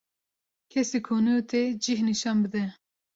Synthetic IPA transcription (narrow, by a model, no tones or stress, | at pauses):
kʰɛsikʰoːnujot̪ʰed͡ʒihniʃɑːnbɨd̪ɛ